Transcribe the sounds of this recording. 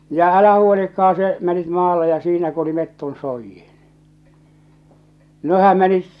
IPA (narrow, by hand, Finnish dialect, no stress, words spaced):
jɑ ælæhæ huolikːɑɑn̞ se menit mɑːlːe jɑ siːnæ ku oli metːon soijːin̥ nehæm menit